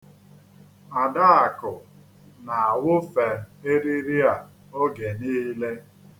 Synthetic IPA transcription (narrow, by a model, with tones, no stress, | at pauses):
a˨da˦a˨kʊ˨ | na˨a˨wʊ˦fe˨e˦ɾi˦ɾi˦a˨ | o˦ɡe˨niː˦le˦